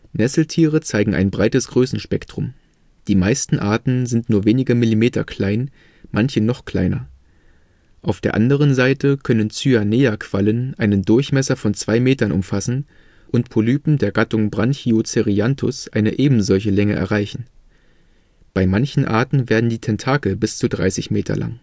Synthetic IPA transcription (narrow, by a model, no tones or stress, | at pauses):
nɛsl̩tʰiːʁət͡saɪɡŋ̩ʔa̰ɪnbʁaɪtəsɡ̥ʁøːsn̩ʃpɛktʁ̥ʊm | d̥iːmaɪstn̩ʔa̰ːɐtn̩zɪntnuːɐveːnɪɡəmɪlimeːtɐ̰kʰl̥aɪn | mʔançənɔχkl̥a̰ɪnɐ̰ | ʔaʊfd̥eːɐʔandəʁ̞ənzaɪtəkʰœnənt͡syaneːakʰv̥alənʔaɪnəndʊɐçmɛsɐfɔnt͡sv̥aɪmeːtɐnʊ̰mfasn̩ | ʔʊntpʰolyːpm̩deːɐɡatʊŋbʁançiot͡seʁiantʰʊ̰sʔaɪnəʔeːbm̩zɔlç̬əlɛŋə̰ʔɛ̰ɐʁaɪçn̩ | b̥aɪmançn̩ʔa̰ɐtn̩veːɐdn̩diːtʰɛntʰaːkl̩bɪst͡sudʁa̰ɪsɪçmeːtʰɐ̰la̰ŋ